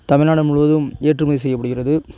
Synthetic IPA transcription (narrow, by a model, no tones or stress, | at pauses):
t̪ɐmɪɾnaːɽɐmʊɻʋɐðɯmeːʈrɯmɐːðɪs̬ɛjːɐpːɐɽɯɣɪrɐðɯ